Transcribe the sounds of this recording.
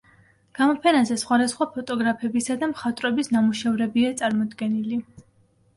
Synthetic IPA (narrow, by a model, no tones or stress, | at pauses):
ɡ̥amɔpʰɛnazɛsχwad̪asχwapʰɔt̪ʼɔɡɾapʰɛbisad̪amχat̪ʼɾɔbisnamuʃɛvɾɛbiat̪sʼaɾmɔd̪ɡɛnili